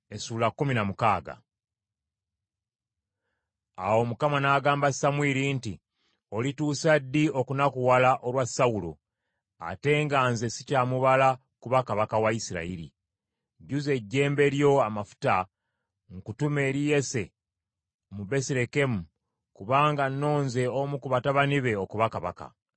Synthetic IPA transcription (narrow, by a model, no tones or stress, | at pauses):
e̞suːlakːuminamukaːɡa̰ | a̰wo̞mukamanaːɡaːmbasamwiɾinti | o̞lituːsadːio̞kunakuwalaʔo̞lwasːawulo̰ | a̰te̞ːŋɡaːnze̞si̥caːmuβala | kuβakaβakawaisiɾa̰iɾḭ | ɟuze̞ɟːe̞ːmbe̞ɾjo̞amafu̥ta | ŋkutume̞ːɾije̞se̞ | mube̞siɾe̞ke̞mu | kuβaːŋɡanːo̞ːnze̞omukuβataβaniβe̞o̞kuβakaβa̰ka̰